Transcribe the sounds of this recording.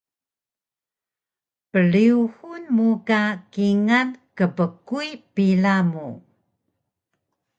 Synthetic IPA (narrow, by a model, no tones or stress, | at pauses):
pəɭiuhunmukakiŋankəpəkuipilamu